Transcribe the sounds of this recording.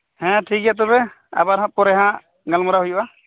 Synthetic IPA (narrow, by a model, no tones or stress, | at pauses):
hɛ̃ʈʰikjat̪̬ɔbɛ | a̰baɾɦãpɔɾɛɦã | ɡalmɔɾaɦujuʔa